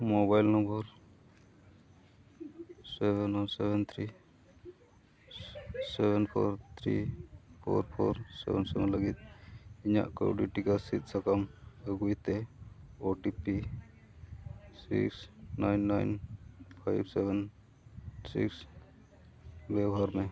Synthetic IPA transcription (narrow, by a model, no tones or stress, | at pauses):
mobajlnɔmbəɾ | sɛbɛnɔnsɛbɛnt̪ʰɾi | sɛbɛnpʰɔ̰ɾt̪ʰɾḭpʰo̰ɾpʰo̰ɾsɛ̰bɛnsɛ̰bɛnləɡit̪̚iɲa̰ʔkə̰ɖiʈikasit̪̚səkaməɡujt̪eoʈipi | sḭksnajnːajnpʰajbsebɛn | sḭks | bɛɡɦaɾme